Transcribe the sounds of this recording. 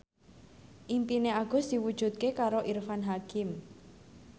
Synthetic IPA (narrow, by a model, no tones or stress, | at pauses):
ʔimpineaɡ̥ɔ̤sd̪̥i̤wud̥ʒ̥ṳt̪̚kekaɾoʔirfanɦakɪm